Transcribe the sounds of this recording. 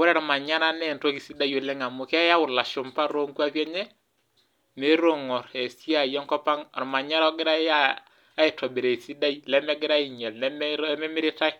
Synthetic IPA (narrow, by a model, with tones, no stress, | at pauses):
wo˦ɾa˦ɾɔ˨ma˨ɲa˦ɾa˦nɛ˨nto˦ki˨si˦da˦jo˨lɛ˦ŋa˨mʊ˨kɛ˦ja˦wʊ˨la˨ʃo˨mpa˦ɾo˦ŋku˦a˦pɛ˦ɲɛ˦ | ne˦ɾo˦˨ŋɔ˨ɾe˨si˦a˨jɔ˦ŋkɔ˦pa˦ŋa˨ɾma˨ɲa˦ɾɔ˦ɡɪ˦ɾa˦a˦ | a˦i˨tɔ˨be˨ɾe˨i˨si˦da˦i˦lɛ˦mɛ˦ɡɪ˦ɾa˦i˨ɲɛ˨lnɛ˦m˦mɛ˦mɪ˦ɾɪ˦ta˦k̚